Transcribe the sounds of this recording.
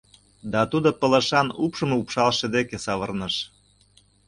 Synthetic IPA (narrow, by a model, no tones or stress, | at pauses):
d̪ɑt̪ud̪opə̆lə̆ʃɑnupʃɤ̆mupʃɑlʃĕd̪ekesɑβərnə̆ʃ